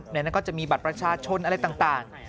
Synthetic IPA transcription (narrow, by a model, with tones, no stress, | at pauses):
nɛ˥˩na˥nkɔː˥˩t͡ɕa˨˩ʔmiː˧ba˨˩t̪̚pɾa˧t͡ɕʰaː˧t͡ɕʰo˧nʔa˧ɾa˧jt̪aː˨˩ŋt̪aː˨˩ŋ